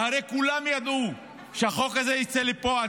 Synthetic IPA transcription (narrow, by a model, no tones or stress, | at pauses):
haɾejkulamjad̪u | ʃehaχo̞kazeit͡selipoa